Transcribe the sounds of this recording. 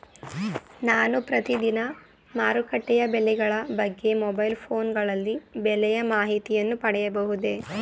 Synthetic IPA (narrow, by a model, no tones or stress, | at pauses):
naːnupɾɐt̪id̪inɐ | maːɾukɐʈːɛjɐbelɛɡɐɭɐbɐɡːe̞mɔbɐjlpʰoːnɡɐɭɐlːibɛlɛjɐmaːɦit̪ijɐnːupɐɽɛjɐbɐɦud̪e̞